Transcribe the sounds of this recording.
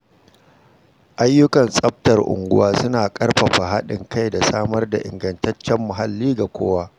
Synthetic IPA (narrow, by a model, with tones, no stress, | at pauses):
ʔa˦jːʊ˦kɐ˨nsʼɐ˦ɸ̚tɐ˨rʔʊ̰˨ŋɡʷʊ˦waː˦sʊ˦naː˨kʼɐ˦rɸɐ˨ɸa˨ɦa˦ɗɪ˨ŋkʰa˦jda˨saː˦mɐ˦rda˨ʔɪ̰˨ŋɡɐ˨ntɐ˦t͡ʃːɛ˦mːʊ˨ɦa˨lːiː˦ɡa˨kʷʰo̰ː˦waː˦